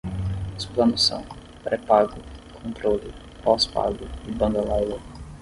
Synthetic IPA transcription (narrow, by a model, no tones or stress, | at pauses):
su̥plɐ̃nʊsɐ̰̃w̃ | pɾɛpaɡʊkʰõnt̪ɾolɪ | pɔspa̰ɡʊɪbɐ̃nd̪ɐlajlɐ